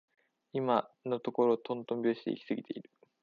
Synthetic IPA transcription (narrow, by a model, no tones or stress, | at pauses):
imano̞t̪o̞ko̞ɾo̞t̪ʰõnt̪õ̞mbʲo̞ːɕi̥t̪e̞ḭkʲi̥sɨɡʲit̪e̞iɾɯ̟